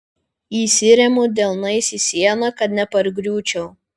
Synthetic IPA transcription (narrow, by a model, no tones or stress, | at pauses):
iːsʲɪɾʲɛmʊd̪ʲɛlˠnɐɪsʲisʲiɛnɐkɐt̪nʲɛpɐɾɡɾʲuːt͡ʃʲɛʊ